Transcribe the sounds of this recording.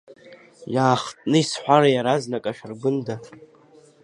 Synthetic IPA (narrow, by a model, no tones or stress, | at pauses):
jaːχtʼnɨisħʷᶣaɾajaɾaznakʼaʃᶣarɡʷʊnda